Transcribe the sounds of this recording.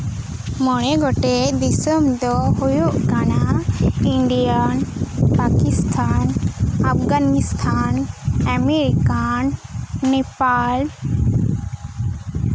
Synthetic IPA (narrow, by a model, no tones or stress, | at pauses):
mɔɽ̃ɛɡɔʈed̪isəmd̪ɔɦujuʔɡanaiɳɖijanpakist̪ʰanafɡanist̪ʰanameɾikanːepal